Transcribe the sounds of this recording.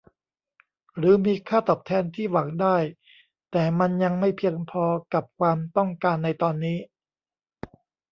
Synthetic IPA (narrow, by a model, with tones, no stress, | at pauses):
ɾɯː˩˦miː˧kʰaː˥˩t̪ɔː˨˩p̚t̪ʰɛː˧nt̪ʰiː˥˩wa˩˦ŋdaː˥˩j | t̪ɛː˨˩ma˧nja˧ŋma˥˩jpʰi˧əŋpʰɔː˧ka˨˩p̚kʰwaː˧mt̪ɔ˥˩ŋkaː˧nːa˧jt̪ɔː˧nːiː˦˥